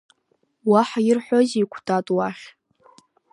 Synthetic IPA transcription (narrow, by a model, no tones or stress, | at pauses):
waħajɪrħʷoziikʷʰtʰʼatʼwaχʲ